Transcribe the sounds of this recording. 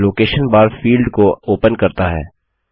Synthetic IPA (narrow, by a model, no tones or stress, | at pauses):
loːkeːʃənbaːɾfiːlɖkooːpənkɐɾt̪aɦɛ̰ː